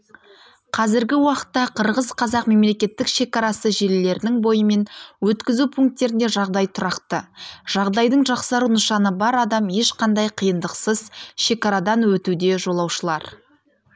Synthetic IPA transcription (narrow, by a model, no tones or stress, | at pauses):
qʰɑzɪɾɡʲɪwɑqə̥t̪ːɑqʰəɾʁəzqʰɑzɑqme̞mle̞kʲe̞t̪ːɪkʃe̞kɑɾɑsəʒe̞lle̞ɾɪnɪŋbo̞jəme̞nwɵt̪kʲɪzupʰuŋk̚t̪ːe̞ɾɪnd̪e̞ʒɑʁd̪ɑjt̪ʰʊɾɑqt̪əʒ̥ɑʁd̪ɑjd̪əɴʒɑqsɑɾunʊʃɑnəbɑɾɑd̪ɑmje̞ʃqʰɑnd̪ɑjqʰijənd̪əqsəzʃe̞kɑɾɑd̪ɑnwɵt̪ud̪e̞ʒo̞lˠɑwʃəlˠɑ̰ɾ